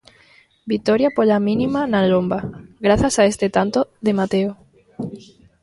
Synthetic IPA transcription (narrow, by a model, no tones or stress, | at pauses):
bit̪oɾjapoʎamĩnĩmanalombaɡɾaθjasaest̪et̪ant̪oðemat̪eo